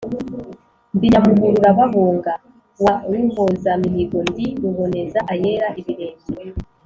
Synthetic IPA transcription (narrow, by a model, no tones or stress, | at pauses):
ndiɲamuɡuɾuɾaβaβoːŋɡa | wawiːŋvozamiɦiɡondiɾuβo̞nezaʔajeɾaʔiβiɾeːɲɟi